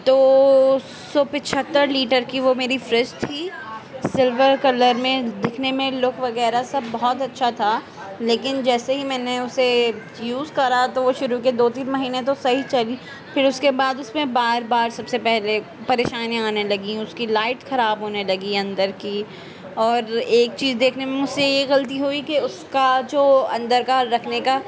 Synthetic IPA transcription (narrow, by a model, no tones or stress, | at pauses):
t̪oː | sɔːpɪt͡ʃʰət̪ːəɾliːʈəɾkiʋomeːɾifɾɪst̪ʰiːsɪlʋəɾkɐləɾmẽd̪ɪkʰnemẽlʊkʰʋɐɡɛːɾasɐbːɔɦɔt̪ɐtːʃʰat̪ʰa | leːkɪnd͡ʒɛːseɦimɛːneʊse | juːzkɐɾat̪oʋoʃʊɾuked̪oːt̪iːnmɐɦiːnet̪osɐɦit͡ʃɐli | fɪɾʊskebaːd̪ʊsmẽbaːɾbaːɾsɐbsepɛɦle | pɐɾeːʃaːñaːnelɐɡĩʊskilaɪʈxɐɾaːbɦoːnelɐɡiɐ̃nd̪əɾki | ɔːɾeːk̚t͡ʃiːzd̪eːkʰnemẽmʊd͡ʒsejeɣɐlt̪iɦoikeʊskad͡ʒoːɐ̰̃nd̪əɾkaɾɐkʰneka